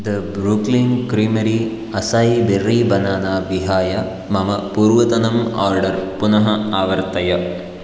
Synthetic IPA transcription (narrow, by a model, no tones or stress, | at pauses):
d̪ɐbɾukliŋkɾiːmɐɾi | ɐsaːjiberːiːbɐnaːnaːʋiɦaːjɐ | mɐmɐpuːɾʋɐt̪ɐnɐmaːɾɖɐɾpunɐɦɐaːʋɐɾt̪ɐjɐ